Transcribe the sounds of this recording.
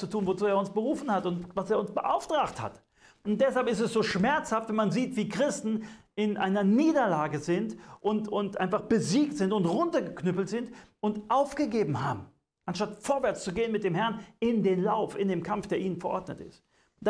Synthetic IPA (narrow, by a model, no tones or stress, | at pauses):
t͡sutʰuːnvot͡suːeːɐʊnsb̥əʁuːfn̩hatʊntvaseːɐʊnsb̥əʔa̰ʊftʁ̥aːktha̰t | ʔʊnt̚d̥ɛshalpɪstɛsz̥oːʃmɛɐt͡shaftvɛnmanziːtv̥iːkʁ̥ɪstn̩ʔɪnʔa̰ɪnɐniːdɐlaːɡəzɪntʔʊntʊntʔa̰ɪnfaχb̥əziːk̚tz̥ɪntʊntʁʊntɐɡəkʰnʏpl̩tz̥ɪnt | ʊntʔaʊfɡ̥əɡeːbm̩haːbm̩ | ʔanʃtatfoːɐvɛɐt͡st͡suɡeːənmɪt̚d̥eːmhɛɐnɪndeːnlaʊfɪndeːmkʰamfd̥eːɐiːnənfɛɐʔɔɐdnə̰tɪ̰st | d̥a